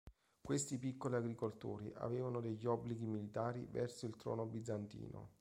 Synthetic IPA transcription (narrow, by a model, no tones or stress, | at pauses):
kwest̪ipikːoliaɡɾikolt̪ṵːɾiʔa̰veːvanod̪eʎːiɔbːliɡimilit̪aːɾḭvɛ̰rsoilt̪ɾɔ̰ːnobid̪zːant̪ḭːno̰